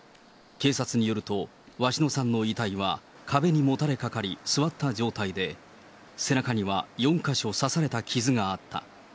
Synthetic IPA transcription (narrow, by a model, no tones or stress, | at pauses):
ke̞ːsat͡sɨɲ̟ijo̞ɾɯ̟t̪o̞ | βaɕino̞sãnːo̞it̪aiβa | kʰabe̞ɲ̟imo̞t̪aɾe̞kakaɾʲisɨβat̪ːad͡ʑo̞ːt̪aid̪e̞ | se̞nakaɲ̟iβajõ̞ŋkaɕo̞sasaɾe̞t̪akʲizɨŋaːt̪ʰːa̰